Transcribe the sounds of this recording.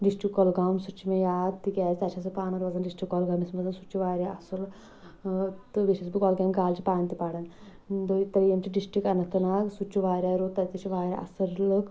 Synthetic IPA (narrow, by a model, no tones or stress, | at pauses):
ɖisʈɾikːɔlɡaːmsut͡ʃʰːimejaːd̪t̪iɡʲaːt͡ʃt̪ɐt͡ʃʰasɨpaːnɐɾʋɐd͡zɐnɖisʈɾikːɔːlɡaːmismɐd͡zɐnsut͡ʃʰːiʋaːɾʲjaɐsul | t̪ɨʋiʃɐsbikɔːlɡʲãːŋɡaːlt͡ʃipaːnt̪ipaːɽɐn | d̪oit̪ɐɾjemt͡ʃiɖisʈikɐnɐt̪ːɐnaːksut͡ʃːuʋaːɾʲjaɾot̪ːɐt̪it͡ʃʰiʋaːɾʲja̰ʔɐ̰sɐɾlɨk